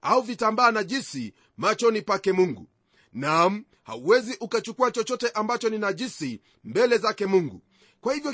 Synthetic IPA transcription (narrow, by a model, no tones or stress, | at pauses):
auvitambaːnaʄisi | mat͡ʃɔnipakɛmuŋɡṵ | nam̩ | ha̰uwɛziʔukat͡ʃukuat͡ʃɔt͡ʃɔtɛʔambat͡ʃɔninaʄisi | mbɛlɛzakɛmuŋɡṵ | kwahivjɔ